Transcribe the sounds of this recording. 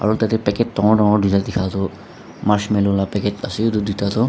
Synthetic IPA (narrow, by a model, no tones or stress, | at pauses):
a̰ɹutatɛpɛkɛtːɔŋɔɹdɔŋɔɹduzadikʰatʊ | maɹsmɛlʊlapɛkɛtasidudutatʊ